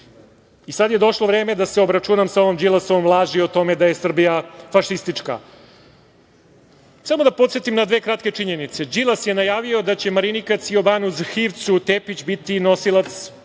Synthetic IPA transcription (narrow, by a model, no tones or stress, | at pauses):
isad̪je̞d̪o̞ʃlˠoʋɾeːme̞d̪aseo̞bɾat͡ʃunamsao̞ʋomd͡ʑilˠasomvlˠaːʒiot̪o̞me̞d̪aje̞sr̩bijafaʂist̪it͡ʂka̰ | samod̪apot̪sjet̪imnad̪ʋe̞ːkɾat̪ke̞t͡ʂiɲe̞nit̪se̞d͡ʒilasjenajaːʋio̞d̪at͡ɕe̞maɾinikat̪sio̞banuzxiʋt̪sut̪eːpit͡ɕbit̪ino̞silˠat̪s